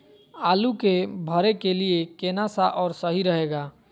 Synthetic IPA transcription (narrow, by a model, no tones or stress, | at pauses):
alukebʱəɾekeliekenasaʔɔːɾsəɦiɾəɦeɡa